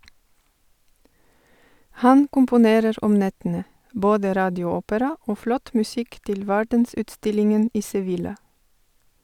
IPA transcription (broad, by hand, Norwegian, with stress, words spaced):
ˈhɑn kʊmpʊˈneːɾəɾ ˈɔm ˈnɛtənə ˈboːdə ˈɾɑːdɪˌuːʊˌoːpəɾɑ ˈoː ˈflɔt mʉˈsɪk ˈtɪl ˈʋæɖənˌsʉːtˌstɪlɪŋən ˈʔiː sɛˈʋɪlɑ